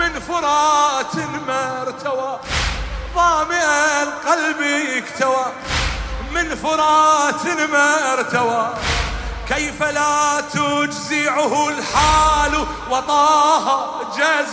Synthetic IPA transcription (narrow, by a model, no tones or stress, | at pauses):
mɪnfʊɾˤɑːt̪maʔɾt̪ʰawa | ðˤɑːmɪʔlqalbijɪkt̪awa | mɪnfʊɾˤɑːt̪maɪɾt̪awa | kajfalat̪ʊd͡ʒziːʕʊɦʊlħaːlu | wɑt̪ˤɑːha | d͡ʒaːz